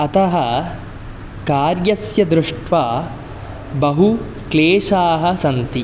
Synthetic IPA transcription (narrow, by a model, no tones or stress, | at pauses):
ɐt̪ɐɦɐ | kaːɾjɐsjɐd̪ɾuʂʈʋaː | bɐɦu | kleːʂaːɦɐsɐnt̪i